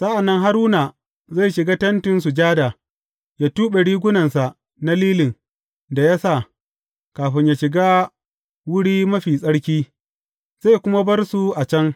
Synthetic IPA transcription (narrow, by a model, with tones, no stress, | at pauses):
sa˦ʔa˨nːɐ˦ŋɦa˦ɾuː˦na˨ | za˦˨jʃɪ˨ɡaː˦tɐ˦ntɪ˦nsu˨d͡ʒaː˦da˨ | ja˦tuː˦ɓe˨ɽiː˦ɡʷʊ˦nɐ˨nsa˨ʔ | na˦liː˦lɪ˨ŋ | da˨ja˦sa˦˨ | kaː˨ɸɪ˦ɲjaː˨ʃɪ˨ɡaː˦ | wʊ˦ɽiː˦mɐ˦ɸiː˨sʼɐ˦ɽkʲiː˦ | z̥a˦˨jkʷʊ˦ma˦bɐ˦rsu˨ʔa˨t͡ʃɐ˦ŋ